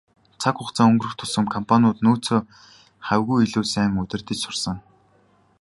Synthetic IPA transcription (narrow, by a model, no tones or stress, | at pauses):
t͡sʰakχʊχt͡saːŋɵŋɡɵ̆rɵ̆xt̪ʰʊsə̆mkʰɔmpʰanʲʊːt̪noːt͡sʰoː | χæwɣujiɮuːsæːŋɵt̪ɘ̆rt̪ĭt͡ɕsʊrsə̆ŋ